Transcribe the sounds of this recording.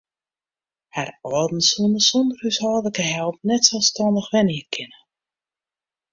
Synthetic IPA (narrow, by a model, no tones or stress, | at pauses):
harɔːdn̩sundəsɔndəryshɔːdləkəɦɛlˠp̚nɛtsɛlˠstɔndəxʋɛniəkʰɪnə